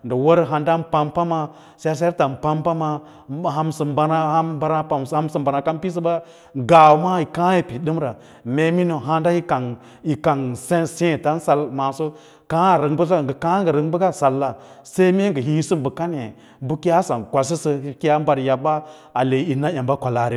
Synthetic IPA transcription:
ndə˨wo˦ɾɦa˨nda˦mpa˦mpa˦ma˨ | sa˦s̬e˦ta˨m˨pa˦mpa˦ma˨ | ɦa˦msə˨mba˦na˦a˦ba˨˦ɾa˦pa˨m˨a˦msɨ˨mba˨na˨ka˦mpi˦s̬ə˦ba˦ | ɡa˨wma˦i˨kã˦i˨pi˨ɗɨ˦mɾa˨ | me˦mi˦no˨ɦa˦nda˦ji˦ka˨ŋ | i˨ka˨ŋse˦sẽ˦˨ta˦n˦sa˦lma˨so˦ | ka˦a˨ɾə˨ŋbə˦s̬a˦˨ɡə˨kã˦ŋɡə˨ɾə˨˦ŋ˦bə˦ɡa˦˨sa˨lːa˨ | se˦me˦ŋɡə˨ɦĩ˦sɨ˦mbə˨ka˦ne˨ | bu˦ki˦a˦sa˨nkʷa˨s̬i˦sə˦i˦ki˦a˦m˦ba˨ɾja˨ba˦ | a˨le˨˦i˨na˦a˨ba˦kʷa˨la˨ɾe˨

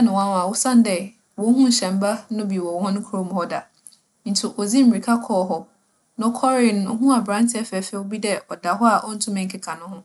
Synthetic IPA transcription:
a˦nʊ̃˨wã˦n˨a˨wʊ˦sã˦n˦dɛ˨ | wɔ̃˨˦ɦũ˦n̩˨ɕɛ̃˨mba˦nʊ̃˦bi˨wɔ˨wɔ˦hʊ̃˦nʊ̃˦kʰʊ˦ɾo˦m˨hɔ˦da˨ | n̩˨tʰu˨ʔɔ˨d͡zi˦m̩˨ɾi˨kʰa˦kʰɔː˦ɦɔ˦ | nã˦kʰɔ˦ɾɪ˨nʊ̃˦ʊ˦ɦũ˦a˨bɾã˦ntʰɪ˨˦ɛ˦fɛ˨fɛ˦˨o˦bi˦dɛ˦ʔɔ˨da˨ɦɔ˦a˨ʔɔ˦n̩˦tʰʊ̃˦mɪ̃˨ŋ̩˦kʰɪ˦kʰa˨nʊ̃˦hʊ̃˦

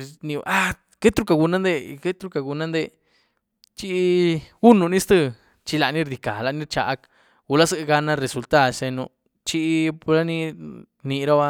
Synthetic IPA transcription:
nĩ˧a˦ | ke˦t̪ɾu˧ka˧ɡu˧na˦nd̪e˧ke˦t̪ɾu˧ka˨ɡu˧nã˦nd̪e˧ | t͡ʃi˧ɡu˦nu˧nĩ˦st̪ɨ˧ | t͡ʃi˧la˧nĩ˦ɾd̪i˧ka˨la˧ni˦ɾt͡ʃa̰˨ʔk | ɡu˧˨la˦sɨ˦˧ɡa˧na˦˧ɾe˨su˨lt̪a˦˨se˧nu˧ | t͡ʃi˧pla˦ni˧ | nĩ˧ɾa˦βa˧

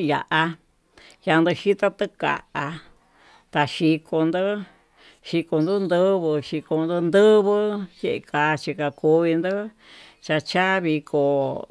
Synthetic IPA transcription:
ja̰˨ʔa˧ | ja˧nd̪ɨ˧ʃi˦t̪a˦t̪ɨ˦ka̰˨ʔa˧ | t̪a˧ʃi˧kʰo˧nd̪ɨ˦ | ʃi˧ko˧nd̪ɨ˦nd̪ɨ˦βɨ˧ʃi˧ko˧nd̪ɨ˧nd̪ɨ˦βɨ˦je˧ʔe˧ka˧t͡ʃi˧ka˧ku˧βi˧nd̪ɨ˦ | t͡ʃa˧t͡ʃa˦βi˧kʰo˧

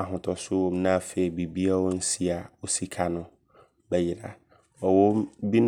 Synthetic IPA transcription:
a˨ɦʊ̃˨tʰɔ˨sʊ˦wɔ˦mnã˦˨fe˨i˨bi˨bi˦a˦wɔ˦n̩˦si˦a˨wo˨si˦kʰa˦nʊ̃˦ | bɛ˦jɪ˨ɾa̰˨ | ɔ˨wo˦mbi˦n

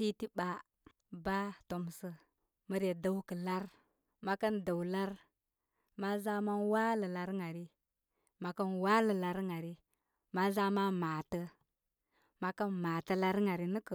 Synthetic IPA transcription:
ti˦ti˦ba˨ | ba˦to˨m˨sə˨ | mə˨˦ɾe˨da˦wkə˨la˦ɾ | ma˦kə˦nda˨wla˦ɾ | ma˦za˦ma˦nwa˦lə˨la˨ɾŋa˨ɾi˦ | ma˨kə˦nwa˦lə˨la˨ɾŋa˨ɾi˦ | ma˦za˦ma˦ma˨tə˦ | ma˦kə˦nma˨tə˨la˦ɾŋa˨ɾi˨nə˦kə˨

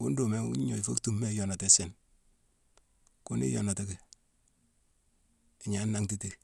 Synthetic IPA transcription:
ku˦ndo˨me˦ɲo˨fo̰˦ktu˦˨mːe˦jɔ˨nɔ˨te˦sɛ˨n | ku˦nḭ˦jɔ̰˨nɔ˨te˦ke˨ | ɪ˨ɲa˨˦nːa˦ŋti˦ti˨

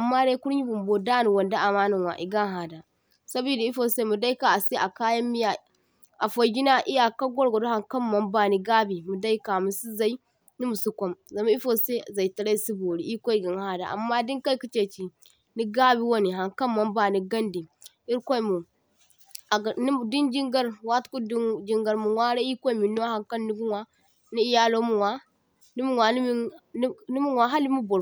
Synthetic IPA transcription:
a˨mːa˦ɾe˦ku˦ɾɲi˦bu˨mbo˨da˦ni˨wo˨nda˦ʔa˨ma˦nu˨nwa̰˨ʔi˨ɡa˦ŋ˦ɦa˨da˨ | sa˦bi˨da˨˦i˦fo˨se˦mu˨da˦i˦ka˨a˨se˦ʔa˨kaː˦jɐ˦mːi˦ja˨ | a˨fo˨ɡʲi˦na˦ʔi˦ja˨ka˦ɡʷɔ˦ɾɡo˨do˦ha˨ŋkɐ˦mːɐ˦mba˦ni˦ɡa˦bi˨mu˨da˦i˦ka˨mu˨su˦za˨i˦ | ni˦mu˨su˦kʷo˦mza˨ma˦i˦fo˨se˦˨za˨i˨tɐ˨ɾa˦i˦si˦bo˨ɾi˦ʔi˦ko˦i˨ɡa˨ŋ˦ha˦da̰˨ʔa̰˨mːa˦di˦ŋka˦ku˦t͡ʃe˨t͡ʃi˨ | ni˦ɡa˦bi˦wo˦ni˨ɦa˨ŋka˦nma˨˦mba˦˨ni˨ɡa˦ndi˨ | i˦ɾkʷo˦˨mu˨ | ɡni˦˨di˦nd͡ʒi˦ŋɡa˦ɾwa˦tku˦dd͡ʒi˦ŋɡa˨ɾmu˨nwʷa˦ɾe˦i˦kʷo˦i˨mi˨no˦ha˨ŋka˦nːi˦ɡu˦ŋwa˦ | ni˦i˦ja˦lo˦mu˨ŋwa˦ | ni˦mu˦ŋwa˨ni˦m˦ | ni˦mu˦ŋwa˨ɦa˦li˦mu˦bo˨ɾ

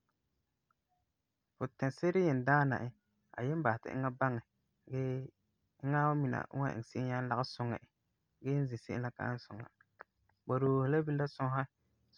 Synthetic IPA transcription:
fʊ˨tɛ˨se˦ɾɪ˦jɛ˨n˨daː˦na̰˨ʔɪ˦ | a̰˨jɛ˦m˦ba˨ɪ˨tɪ̰˨ɪ̰˦ŋa˦ba˦ŋɛ˨ | ɡɛː˦ | ɪ˦ŋa˦mi˨na̰˨˦wa̰˦ʔɪ̰˨ŋ˨sɪ˦ʔɪ˦ɲa˦n˦la˦ɣɪ˦sʊ˨ŋɛ̰˨ʔ | ɡɛ˦n̩˦zɪ˨sɪ̰˦ʔɪ˦la˦ka̰˦n˦sʊ˨ŋa̰˨ | ba˨ɾoː˨hla˦bi˦la˦sʊ̃˦ɦa˦

